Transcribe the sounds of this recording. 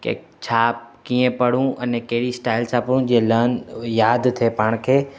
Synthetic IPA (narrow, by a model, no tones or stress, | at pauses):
kḛ | t͡ɕʰaːp̚kiːẽpɐɽ̤ũɐnekeɦɽisʈaːɪlt͡ʃʰaːpəɽũd͡ʑielənjaːd̪t̪ʰepaːɽ̃kʰeː